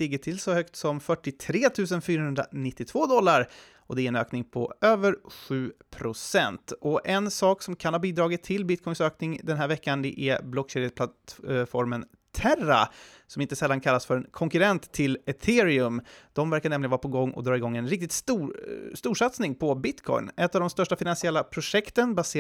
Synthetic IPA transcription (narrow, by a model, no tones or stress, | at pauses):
lɪɡːəʈʰɪlsɔhœkt̪sɔmfœʈːɪt̪ʰɾeːt̪ʰʉ̟ːs̬ənfyːɾaɦɵnd̪ɾa̰nɪt̪ːɪt̪ʰv̥oːd̪ɔlːaɾ | ʔɔd̪ɛæɾɛnø̰ːknɪŋpʰɔ̰øːvəɾɧʉ̟ːpʰɾʊsɛnt̪ɔʔɛnsɑːksɔmkʰanhɑːbiːd̪ɾɑːɡɪt̪ʰːɪlbɪt̪̚kʰɔjnsøːknɪŋd̪ɛnɦæːɾvɛkːand̪ɛ̰ʔæblɔkɕeːɾɛspʰlat̪fɔɾmən | t̪ʰæra̰sɔmɪnt̪əsɛlːankʰalːasfœɾɛnkʰɔŋkɵɾɛnt̪ʰːɪlɛt̪ʰɪːɾɪɵmd̪̥ɔmvæɾkaɾɳɛmlɪənvɑɾapʰɔɡɔŋːɔ̰d̪ɾɑːɪɡɔŋːɛnɾɪk̚t̪ɪt̪suːst̪uːʂat̪snɪŋpʰɔbɪt̪kʰɔ̰jnɛt̪ːavd̪ɔmst̪œʂʈafɪnansɪɛlːapʰɾʊʂɛkt̪ənbaseː